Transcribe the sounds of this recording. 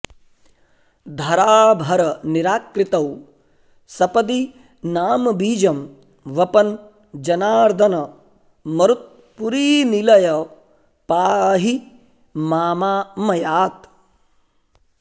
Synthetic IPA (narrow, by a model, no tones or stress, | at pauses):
d̪ʱɐɾaːbʱɐɾɐniɾaːkɾɪt̪ɐw | sɐpɐd̪i | naːmɐbiːd͡ʒɐm | ʋɐpɐn | d͡ʒɐnaːɾd̪ʱɐnɐ | mɐɾut̪̚ | puɾiːnilɐjɐ | paːɦi | maːmaːmɐjaːt̪